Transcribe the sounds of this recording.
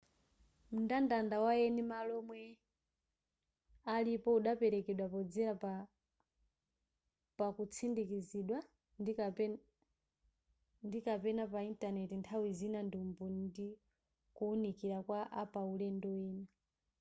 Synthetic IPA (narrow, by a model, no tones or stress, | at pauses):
mundandandawaɛnimalɔmwɛ | alipɔuɗapɛɾɛkɛɗwapɔd͡zɛɾa | pakut͡sʰindikiziɗwa | ndikapɛnapaintanɛtintʰawizinandumbɔndi | kuːnikiɾakwaʔapaulɛndɔɛːna